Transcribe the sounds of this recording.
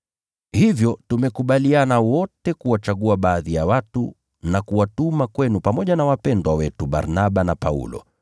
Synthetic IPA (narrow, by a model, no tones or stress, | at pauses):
hivjɔtumɛkuɓalianawɔtɛkuwat͡ʃaɠuaɓaːðijawatu | nakuwatumakwɛnupamɔʄanawapɛndwawɛtuɓa̰ɾnaɓanapaṵlɔ̰